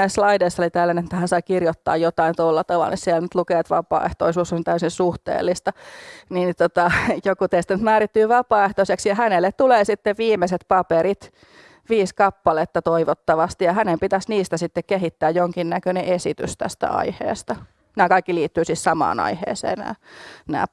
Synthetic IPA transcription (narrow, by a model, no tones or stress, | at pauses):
æisslɑideisːolit̪ælːænet̪ːæhænsɑikirjot̪ːɑ̰ːjjot̪ɑint̪olːɑt̪ɑʋɑ̰lnissiɛlnyt̪lukeːt̪ʋɑpɑ̰ːḛht̪o̰isuːsːont̪æysisuht̪ḛːlːist̪ɑniːnt̪ot̪ɑjokut̪eist̪æny̆t̪mæːrit̪ːyːʋɑpɑːeht̪oiseksjɑhænelːet̪t̪uleːsit̪ːeʋʋiːmeset̪pɑpeɾit̪ | ʋiːskɑpːɑlet̪ːɑt̪oiʋot̪ːɑʋɑst̪ijɑhænempit̪æsniːst̪æsit̪ːekkeɦit̪ːæːjjoŋkinnækøneʔesit̪y̰st̪æ̰st̪æ̰ɑ̰ihḛːst̪ɑ | næːkɑikːiliːt̪ːyːsissɑmɑ̰ːnɑ̰ihḛːsḛːnnæ̰ːnæ̰ː